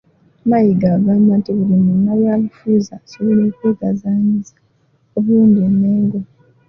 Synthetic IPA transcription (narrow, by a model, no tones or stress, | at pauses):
najiɡaɡamatiβulimunaβwalufuzasoβiloːkweːkazaːɲizḁ | oβuluːndeneːŋɡo